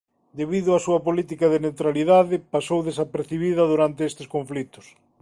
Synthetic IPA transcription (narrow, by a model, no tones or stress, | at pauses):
d̪eβiðʊasuɐpolit̪ikɐðenewt̪ɾaliðaðɪpasowðesapeɾθiβiðɐðuɾant̪eest̪ɪskoɱflit̪ʊ̥s